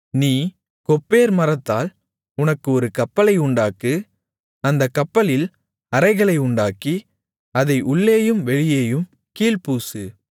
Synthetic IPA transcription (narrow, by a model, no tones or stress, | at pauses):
niː | kɔpːeːɾmɐɾɐt̪ːaːl | ʊnɐkːɯɔɾɯkɐpːɐlɐɪʊɳɖaːkɯ | ɐnd̪ɐkːɐpːɐlɪl | ɐɾɐɪɣɐɭɐɪʊɳɖaːki | ɐðɐɪʔʊɭːeːjɯmʋɛɻɪjeːjɯm | kiːlpuːsɯ